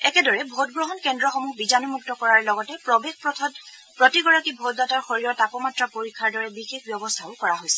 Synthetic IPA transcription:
ɛkɛdɔɹɛbʱot̚ɡɹɔɦɔnkɛndɹɔxomuhbizanumuk̚tɔkɔɹaɹlɔɡɔtɛpɹɔbexpɹɔtʰɔt | pɹɔtiɡɔɹakibʱot̚dataɹxoɹijɔtapɔmatɹapoɹikʰːaɹdɔɹɛbixek̚ʰbjɔbɔstʰaʊkɔɹaɦojsɛ

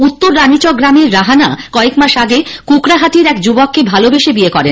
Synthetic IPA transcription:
ut̪ːoɾːanit͡ɕokɡɾameɾːaɦanakɔekmaʃaɡekukɾaɦat̪iɾɛkd͡ʑubokːebʱalobeʃebiekɔɾen

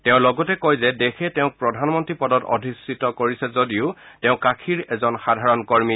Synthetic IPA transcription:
tɛʊ̃lɔɡɔtɛkɔjzɛdekʰɛtɛʊ̃k̚pɹɔdʱanmɔntɹipɔdɔtɔ̰dʱisitɔkoɹisɛzodiʊtɛʊ̃kakʰiɹɛzɔnxadʱaɹɔnkoɹmi

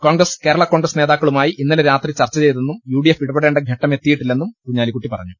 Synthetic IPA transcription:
ko̞ːŋɡrɐske̞ːɾɐɭɐko̞ːŋɡrɐsne̞ːðaːkːɐɭumaːjiʔinːɐleɾaːt̪rit͡ɕɐrt͡ɕːɐt͡ɕe̞jt̪enːumjuːɽijefiɽupɐɽe̞ːɳɖeɡʱɐʈːɐmet̪ːijiʈːilːenːumkuɲːaːlikːuʈːipɐrɐɲːu

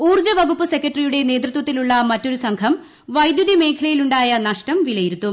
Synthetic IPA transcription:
uːrd͡ʑɐʋɐɡupːɨse̞kʲːɐʈrijuɽe̞ne̞ːd̪rɨt̪wɐt̪ːiluɭːɐmɐtːo̞ɾusɐŋkʰɐm | ʋɐjd̪juðime̞ːkʰɐlɐjiluɳɖaːjɐnɐʂʈɐmʋilɐjiɾut̪ːum

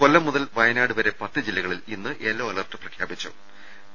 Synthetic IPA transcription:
ko̞lːɐmːuðɐlʋɐjɐnaːɽɨʋɐɾe̞pɐt̪ːɨd͡ʑilːɐɣɐɭilinːɨʔeːlːoːɐlɐrʈːɨ̥prɐkʰjaːbit͡ɕːṵ

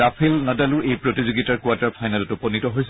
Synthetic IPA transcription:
apʰilnadalʊʔejpɹotizoɡitaɹkuataɹpʰajnalɔtupɔnitɔɦojsɛ

